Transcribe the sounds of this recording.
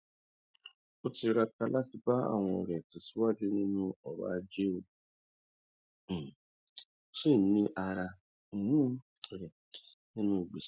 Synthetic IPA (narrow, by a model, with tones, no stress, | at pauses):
o˦ti˧ɾa˧ka˧la˦ti˧ba˦a̰˦˨w̃ɔ̰̃˧˨ɾɛ˨ti˨si˦wa˦d͡ʒe˦nĩ˦nũ˦ɔ˨ɾa̰˦˧˦d͡ʒe˦o˧˨ | sĩ˦˨˦nĩ˧˦ʔa˧ɾã˧˨˦ | ɾɛ˨ti̥˨ | nĩ˦nũ˦i˨ɡ͡be˨˦